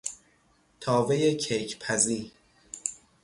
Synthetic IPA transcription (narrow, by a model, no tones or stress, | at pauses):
t̪ʰɒːve̞jecʰejcʰpʰæziː